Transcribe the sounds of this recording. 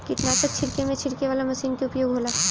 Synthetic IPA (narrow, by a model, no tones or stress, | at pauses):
kɪt̪naːsək̚t͡ʃʰɪɾkemẽt͡ʃʰɪɾkeʋaːlamɐʃiːnkeʊpjoːɡɦoːlaː